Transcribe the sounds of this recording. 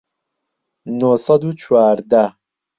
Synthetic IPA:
nosɐd̪ut͡ʃʰuaːɾd̪a

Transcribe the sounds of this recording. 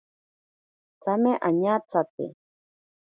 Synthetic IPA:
t͡sameʔaɲat͡sat̪ɪ̰

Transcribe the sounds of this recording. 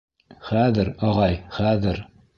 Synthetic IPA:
χæðɘɾɑʁɑjχæðɘɾ

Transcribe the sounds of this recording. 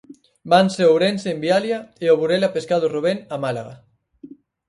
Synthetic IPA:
banseowɾenseːmbialjaeoβuɾelapeskaðʊruβ̞eŋamala̰ɣa

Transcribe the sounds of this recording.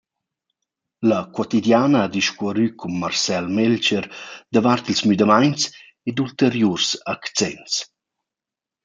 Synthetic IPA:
ləkwɔt̪id̪jaːnəad̪iʃkɔɾykʰumːarsɛlmɛlt͡ʃəɾd̪əvart̪ilsmyd̪əmajns | ed̪ult̪əɾjursakt͡sɛnst͡s

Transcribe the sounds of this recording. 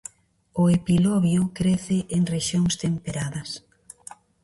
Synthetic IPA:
ʊepilɔβjʊkɾeθɪʔeŋreʃjoŋst̪empeɾaðɐs

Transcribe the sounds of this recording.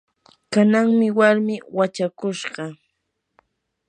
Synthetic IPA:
kanaŋmɪwaɾmɪwat͡ʃakʊʃɢɑ

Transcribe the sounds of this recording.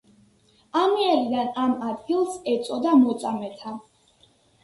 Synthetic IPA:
amiaɾid̪anamad̪ɡilˠsɛt̪sʼɔd̪amɔt̪sʼamɛt̪ʰa

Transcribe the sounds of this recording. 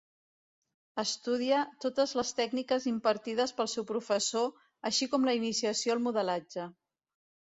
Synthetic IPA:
əst̪uð̞iət̪ot̪əzləst̪ɛɡnikəzimpəɾt̪iðəspəlˠsɛwpɾufəso | əʃikɔmləinisiəsioəlˠmuðəlad͡ʒə

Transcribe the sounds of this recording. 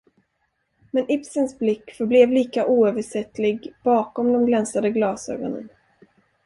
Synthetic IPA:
mɛnʔɪpsənsblɪkːfœɾblɛːvliːkaʔuːøːvəʂɛt̪ːlɪɡb̥ɑːkɔmd̪ɔmɡlɛnsad̪əɡlɑːsø̰ːɡɔnə̰n

